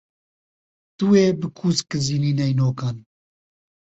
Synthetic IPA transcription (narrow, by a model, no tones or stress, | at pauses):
t̪uweːbɨkʰuːskɨziːniːnɛjnoːkaːn